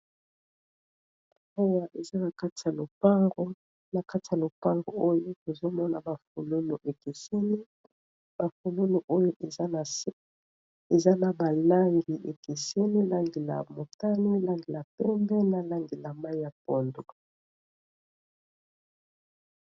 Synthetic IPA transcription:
o˦wa˨ʔe˨za˦na˨ka˦ti˨a˨lo˨pa˦ŋɡo˦ | na˨ka˦ti˨a˨lo˨pa˦ŋɡo˨o˦jo˦to˨zo˦mɔ˦na˨ba˨fu˨lo˦nu˨ʔe˨ki˨se˦ni˦ | b̥a˨fu˨lo˦nu˨ʔo˦jo˦ʔ | e˨za˦na˨ba˨la˦ŋɡi˨ʔe˨ki˨si˦ni˦la˦ŋɡi˨la̰˨mo˨ta˦ni˦la˦ŋɡi˨la˨pɛ˦mbɛ˦na˨la˦ŋɡi˨la˨ma˦ja˨po˨ndo˨

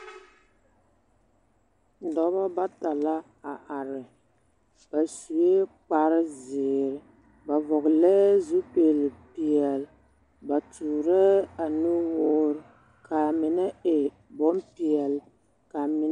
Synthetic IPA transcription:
dɔ˦ba˦ba˦ta˨la˦ | a˨ʔa˨ɾɪ˨ | b̥a˨su˨e˦k͡pa˦ɾɪ˦zɪː˨ɾɪ˨ | ba˨vɔ˨ɣlɛ˦zu˦peː˨lpi˨ɛ˨l | ba˨tuː˨ɾɛ˦a˨nu˦woː˦ɾ | ka˨mɪ˨nɛ˦e˨ | bɔ˦mpi˨ɛ˨l | ka˨mɪ˨˦

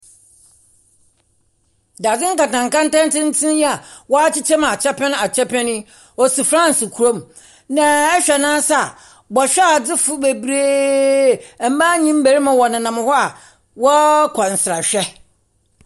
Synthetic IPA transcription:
da˨d͡zɪ̃˦ŋ̩˦ka˨tã˨ŋ˨kã˦n̩˦tã˦n˦tɪ̃˦n̩˦tʰɪ̃˦nja˨wɔ˦a˦t͡ɕʰɪ˦t͡ɕʰɛ˦m˨a˨t͡ɕʰɛ˦pʰɛ̃˦n˦a˨t͡ɕʰɛ˦pʰɛ̃˦nɪ̃˦ | ɔ˨si˨fɾã˦n˨sɪ˨kʰu˨ɾõ˦m | nã˨ɛ˦ɕᶣɛ˨nãː˦sa˨ | bɔ˨ɕᶣɛ˦a˨d͡zɪ˦fʊ˦be˨bɾeː˦ | ɛ˨m̩˦ba˦ɲĩ˦m˦be˨ɾi˦mã˨wɔ˨nɪ̃˨nã˨m˦hɔ˦a˨ | wɔ˦kʰɔ˨n̩˨sɾa˨ɕᶣɛ˦

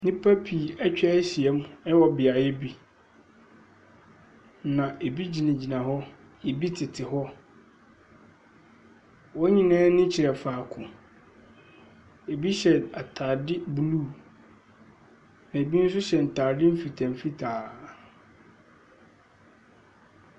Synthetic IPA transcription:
nɪ̃˦pʰa˦pʰi˨æ˦t͡ɕᶣa˦si˨ɛ˦m˦ɛ˦wɔ˨bɪ˨a˨jɛ˦bi˦ | nã˨ʔe˨bi˦d͡ʑi˨nã˨d͡ʑi˨nã˨ɦɔ˦ | e˨bi˦tʰɪ˨tʰɪ˨hɔ˦ | wɔ˦ɲĩ˨nãː˦nɪ̃˦t͡ɕʰi˨ɾɛ˨faː˨kʰʊ̃˨ | e˨bi˦ɕɛ˨a˨tʰa˨dɪ˦bu˨luː˦˨ | nã˨e˨bi˦n̩˦sʊ˦ɕɛ˨n̩˨tʰaː˨dɪ˦m̩˦fi˨tʰã˨m˨fi˦tʰaː˨

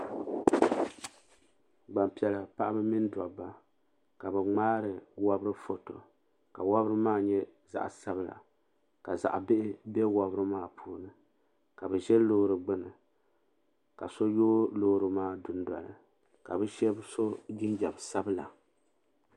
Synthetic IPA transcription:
ɡ͡ba˨mpi˨ɛ˨la˨pa˦ʔa˦bɨ˦mi˦n˦da̰˨ba˦ | ka˨bɨ˨ŋ͡maː˦ɾɨ˨wa˦bɾɨ˦fo˨to˨ | ka˨wa˦bɾɨ˦maː˦ɲɛ˦ | za̰˦˨ʔsa˦bɨ˦la̰˨ | ka˨za̰˨ʔbɪ˦ʔɪ˦bɛ˦wa˨bɨ˦ɾɨ˦maː˦˨pʰuː˦nɨ˨ | ka˨bɨ˨ʒɛ˦lo˦hɾɨ˨ɡ͡bɨ˦nɨ˨ | ka˨so˦joː˦lo˦hɾɨ˨maː˦dʊ˨n˦da̰˨lɨ̰˨ | ka˨bɨ˦ʃɛ˦bso˦ɡi˦nd͡ʒɛ˨bsa˦bɨ˦la̰˨

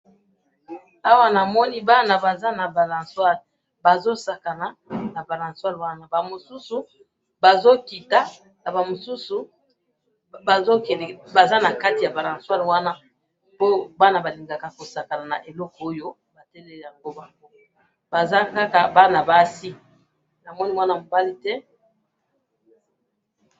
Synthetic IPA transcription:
a˦wa˦na˨mɔ˦ni˦ba˦na˨ba˨za˦na˨ba˨lã˨swa˦l | ba˨zo˦sa˨ka˨na˨na˨ba˨lã˨nswa˦lwa˦na˦ba˨mo˨su˦su˨ | ba˨zo˦ki˨ta˦ | na˨ba˨mo˨su˦su˨ | zo˦ke˨ba˨za˦na˨ka˦ti˨ja˨ba˨lã˨swa˦lwa˦na˦ | po˦ba˦na˦ba˨li˨ŋɡa˨ka˨ko˨sa˨ka˨na˨na̰˨ʔe˨lɔ˦kɔ˨˦o˦jo˦ | ba˨tɛ˦lɛ˦˨lja˨ŋɡo˦ba˦ | b̥a˨za˦ka˦ka˨ba˦na˨ba˦si˦ | na˨mɔ˦ni˦wa˦na˦mo˨ba˦li˦tɛ˦

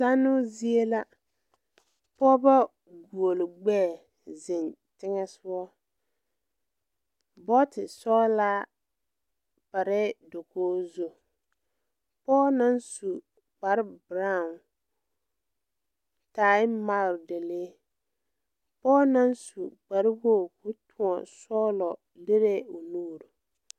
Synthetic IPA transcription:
sa˦nʊ˦zi˦e˦la˦ | pɔː˦ba˦ | ɡu˨o˨lɪ˨ɡ͡bɛ˦˨ | zɪ˨ntɪ˦ŋɛ˦sʊ˦ɔ˦ | bɔ˦tɪ˨sɔː˦laː˦ | pa˨ɾɛ˦do˨koː˦zo˦ | pɔː˦na˦nsu˨ | ɡ͡ba˨ɾbɾa˦˨n | taː˨ɪ˦ma˦˨ɾde˨le˦ | pɔː˦na˦nsu˨ɡ͡ba˨ɾɪ˦bo˦˨kʊ˦tʰʊ̃˨ɔ˨sɔː˦lɔ˨ | le˦ɾe˦o˨nuː˦˨ɾu˨

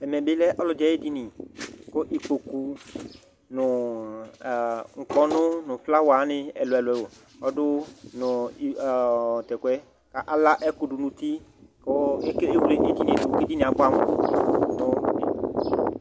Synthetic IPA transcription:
ɛ˨mɛ˨bɪ˦lɛ˦ʔɔ˦lʊ˨dɛ˨˦e˦di˦nɪ˨kʊ˦ʔi˨ko˨ku˨ | nʊ˨ | ŋ̩˨kɔ˨nʊ˦nʊ̃˨fla˦wa˨˦nɪ˦ɛ˨lʊ˨ɛ˨lʊ˨ɛ˨wo˨ | ɔ˦dʊ˦nʊ˨ | tɛ˨kwɛ˦ | ka˦ʔa˦la˦ʔɛ˦kʊ˨dʊ˨nʊ̃˨t̪i˦kʊ˦e˦ke˦e˦wu˨le˨ʔe˦di˦nĩ˨du˨˦ki˦di˦nĩ˨a˨kʊ˦a˦mʊ˨˦nʊ˨i˨

